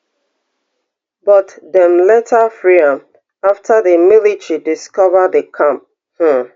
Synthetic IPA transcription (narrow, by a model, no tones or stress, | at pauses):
bɔtdɛ̃mlɛtʰəfɹiãm | aftʰəðəmilitɹidiskɔvəðəkʰãmp̚ | h̩